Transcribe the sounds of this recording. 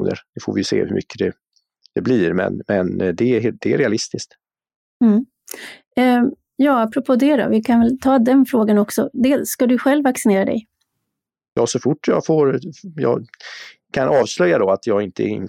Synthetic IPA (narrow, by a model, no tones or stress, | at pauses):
nə̰ɾd̪ɛfoːvɪjɵsḛːhɵɾmʏ̰kʰːəd̪ɛ | d̪̥ɛbliɾmɛ̰nmɛnd̪ɛd̪ɛæ̰ɾɛalɪst̪ɪsk̚t̪ | m̩ | jɑːapːɾɔpʰoːd̪ɛd̪ɔ̰vɪkʰanvɛlt̪ʰɑːd̪ɛnfɾoːɡanɔksɔd̪eːlsːkad̪ɵɧɛlvːaksɪneːɾad̪ɛ̰j | jɑːsɔfʊʈːjɑfoːɾjɑ̰ː | kʰanʔɑːvslœjːad̪ɔat̪jɑːɡɪnt̪əɛɪ̰n